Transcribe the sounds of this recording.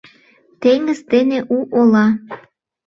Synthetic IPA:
t̪eŋɡəzd̪eneʔuʔolɑ

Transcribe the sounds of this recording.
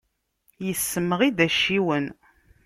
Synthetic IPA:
jəsːəməʁid̪æʃːiwən

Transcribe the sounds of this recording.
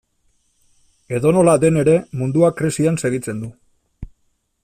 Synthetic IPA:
e̞ðo̞no̞lad̪e̞ne̞ɾe̞mund̪uakɾesianse̞ɣ̞it͡se̞nd̪u

